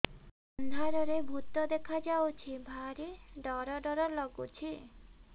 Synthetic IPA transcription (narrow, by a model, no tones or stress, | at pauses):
ɔnd̪ʱaɾɔɾebʱut̪ɔd̪ekʰad͡ʒawt͡ʃʰibʱaɾiɖɔɾɔɖɔɾɔlɔɡut͡ʃʰi